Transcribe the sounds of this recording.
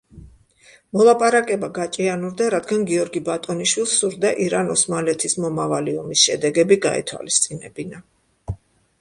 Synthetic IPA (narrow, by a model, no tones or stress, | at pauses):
mɔlˠapʼaɾakʼɛbaɡat͡ʃʼianuɾd̪aɾad̪ɡanɡiɔɾɡibat̪ʼɔniʃwilˠsuɾd̪aʔiɾanɔsmalɛt̪ʰismɔmavaliɔmisʃɛ̰d̪ɛɡɛbiɡa̰ɛ̰t̪ʰwa̰list̪sʼinɛ̰bina